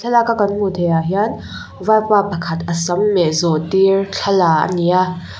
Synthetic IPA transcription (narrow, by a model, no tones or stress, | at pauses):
ɛlakakɐnm̥ut̪ʰejaɦian | vapapɐkʰɐt̪ʔəsɐmːɛʔzɔtirɬʰɐlaʔə̰nia